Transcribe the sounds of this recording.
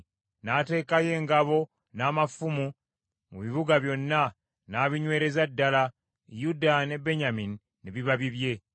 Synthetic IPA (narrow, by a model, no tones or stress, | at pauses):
naːte̞ːkaje̞ːŋɡaβo̞ | naːmafumu | muβiβuɡaβjo̞nːa | naːβiɲwe̞ːɾe̞zadːala | judane̞be̞ɲaminiːeβiβaβiβje̞